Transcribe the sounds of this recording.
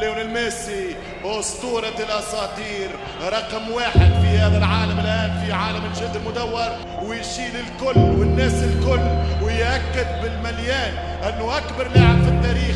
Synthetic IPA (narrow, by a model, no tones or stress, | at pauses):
ljoːnɪlmeːsi | ost̪uːɾˤɑlʔɑsˤɑːt̪ˤiːɾ | ɾˤɑqmwaːħɪd̪fihæːðalʕaːlamɪlʔaːnfiʕaːlamɪʒɪd̪ːɪlmʊd̪awːɑɾˤ | wɪjʃiːlɪlkʊlːwɪnːæːsɪlkʊlːwɪjʔakːɪd̪̚bɪlmaljaːn | ʔanːʊʔakbɑɾˤlɪʕamfɪt̪ːaːɾiːx